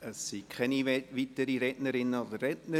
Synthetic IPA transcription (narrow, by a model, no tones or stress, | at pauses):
əsːikʰχɛniʋitəɾiɾɛtnəɾɪnːəod̥əɾːɛtnə